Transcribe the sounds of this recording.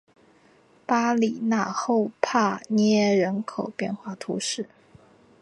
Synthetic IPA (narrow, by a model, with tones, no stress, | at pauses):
pa˥li˨˩na˥˩xo˥˧ʊpʰa˥˩nɛɛ˥˧ɻə˧˥nkʰo˨˩ʊpjɛ˥˧nxwa˥˩t̪ʰṵ˧˥ʂɻ̩˥˩